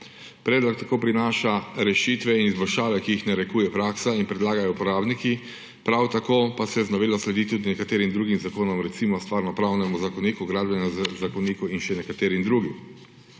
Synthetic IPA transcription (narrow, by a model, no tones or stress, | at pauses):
pɾɛːd̪lɔkt̪akoːpɾinaːʃaɾɛʃit̪ʋɛinizbɔlʃaːʋɛkiːxnaɾɛkuːjɛpɾaːksainpɾɛd̪laːɡajɔpɔɾaːbniki | pɾawt̪akoːpasɛjɛznɔʋeːlɔslɛd̪it̪uːd̪inɛkat̪eːɾimd̪ɾuːɡimzakoːnɔmɾɛt̪simɔst̪ʋaːɾnɔpɾawnɛmuzakɔniːkuɡɾaːd̪bjanjazzakɔniːkuinʃɛnɛkat̪eːɾimd̪ɾuːɡim